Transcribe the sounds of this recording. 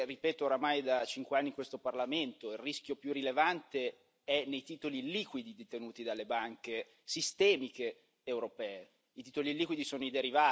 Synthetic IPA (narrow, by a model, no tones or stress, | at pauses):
ripɛːt̪oːɾamajd̪at͡ʃiŋkweanːiŋkwest̪oparlament̪oilriskjopjurilevant̪e | ɛnːejt̪iːt̪oliliːkwid̪id̪et̪enuːt̪id̪alːebaŋke | sist̪ɛːmikeː | wɾopɛːe | it̪iːt̪oliliːkwid̪isoːnoid̪eɾivaː